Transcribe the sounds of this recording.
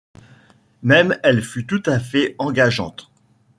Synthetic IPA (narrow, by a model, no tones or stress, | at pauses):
mɛmɛlfyt̪ut̪afɛɑ̃ɡaʒɑ̰̃t̪